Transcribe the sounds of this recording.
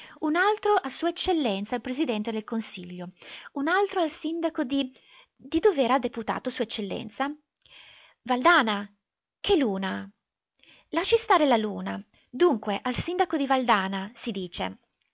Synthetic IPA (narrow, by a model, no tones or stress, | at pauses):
unalt̪ɾoʔasuːaet͡ʃːelːɛnt̪salpɾezid̪ɛnt̪ed̪elkonsiʎːounalt̪ɾoalsind̪akod̪i | d̪id̪oveɾad̪eput̪a̰ːt̪osuːaet͡ʃːelːɛ̰nt̪sa | vald̪aːna | kʰeluːna | laʃːist̪aːɾelaluːna | d̪uŋkweʔalsind̪akod̪ivald̪aːnasid̪iːt͡ʃḛ